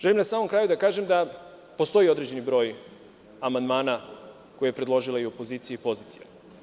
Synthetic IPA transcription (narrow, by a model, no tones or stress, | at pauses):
ʒelimnasaːmo̞mkɾaːjud̪akaːʒemd̪a | po̞st̪o̞jio̞d̪ɾe̞d͡ʑe̞nibɾo̞ːj | amand̪maːna | kojejpɾed̪lˠo̞ʒilaio̞po̞ziːt̪sijeipo̞ziːt̪sija̰